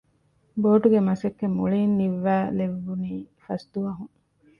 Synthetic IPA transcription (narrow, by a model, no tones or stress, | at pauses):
boːʈuɡemɐsɐkːemuɭiːnːiʋːæːleʋːuniːfɐsd̪uʋɐɦuŋ